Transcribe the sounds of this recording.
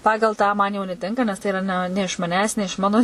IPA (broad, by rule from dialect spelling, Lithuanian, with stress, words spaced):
ˈpɑːɡɐlˠ tɑː ˈmɐn jɛʊ nʲɛˈtʲɪŋkɐ nʲɛs ˈtɐɪ ɪˈrɐ nʲɛ ɪʃ mɐˈnʲæːs nʲɛ ɪʃ ˈmɑːnoː